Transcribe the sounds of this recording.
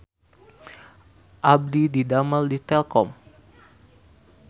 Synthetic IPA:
ʔab̚dididaməldit̪ɛlkɔm

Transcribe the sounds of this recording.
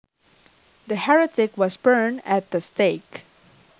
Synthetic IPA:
d̪əhɛɹɨtɪkwʌsbɜ˞næt̪̚d̪əsteɪk

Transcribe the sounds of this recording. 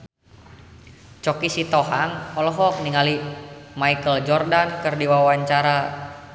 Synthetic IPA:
t͡ʃɔkisit̪ɔɦaŋɔlɔɦɔk̚niŋalimaikəld͡ʒɔrdankɨrdiwawaɲt͡ʃaɾa

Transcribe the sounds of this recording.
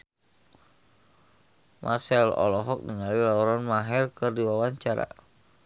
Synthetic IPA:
mʔa̰rsɛlɔ̰lɔɦɔk̚niŋalilaɔɾanmaɦɛrkɨrdiwawaɲt͡ʃaɾa̰

